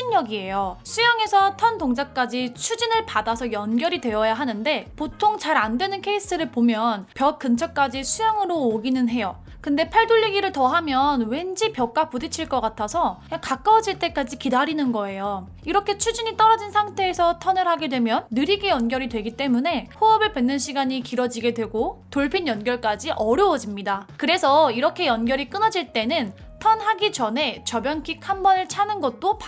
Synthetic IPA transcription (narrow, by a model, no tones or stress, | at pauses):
iɲjʌɡie̞josʰujʌŋe̞sʰʌtʰʌntoŋd͡ʑak͈ad͡ʑit͡ɕʰud͡ʑinɯɭpadasʰʌjʌnɡjʌɾidwe̞ʌjaɦanɯnde̞potʰoŋt͡ɕaɾandwe̞nɯnkʰe̞is͈ɯɾɯɭpomjʌnpjʌk̚k͈ɯnt͡ɕʰʌk͈ad͡ʑisʰujaŋɯɾoːɡinɯnɦe̞jo | kɯnde̞pʰaɭdoʎːiɡiɾɯɭtʌɦamjʌnwe̞nd͡ʑipjʌk͈apudet͡ɕʰiɭk͈ʌk͈atʰasʰʌɲakak͈awʌd͡ʑiɭt͈e̞k͈ad͡ʑikidaɾinɯnɡʌe̞jo | iɾʌkʰe̞t͡ɕʰud͡ʑiɲit͈ʌɾʌd͡ʑinsʰaŋtʰe̞ːsʰʌtʰʌnɯɭhaɡe̞dwe̞mjʌnːɯɾiɡejʌnɡjʌɾidwe̞ɡit͈e̞mune̞ɸoʌbɯɭpe̞nːɯnɕʰiɡaɲikiɾʌd͡ʑiɡe̞dwe̞ɡotoɭpʰinjʌnɡjʌɭk͈ad͡ʑiʔʌɾjʌwʌd͡ʑimɲidakɯɾe̞sʰʌiɾʌkʰe̞jʌnɡjʌɾik͈ɯnʌd͡ʑiɭt͈e̞nɯn | tʰʌnɦaɡid͡ʑʌnɦe̞t͡ɕʌbjʌnkʰik̚hambʌnɯɭt͡ɕʰanɯnɡʌt̚t͈opa